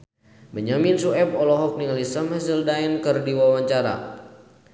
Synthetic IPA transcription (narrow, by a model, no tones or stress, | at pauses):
məɲaminsuɛpɔlɔɦɔk̚niŋlisəmɛsildaɛnkərdiwawaɲt͡ʃaɾa̰